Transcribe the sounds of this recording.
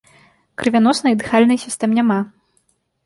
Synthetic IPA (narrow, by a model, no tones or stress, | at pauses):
kɾɨvʲanɔsnɨjd̪ɨxalʲnɨsʲist̪ɛmnʲama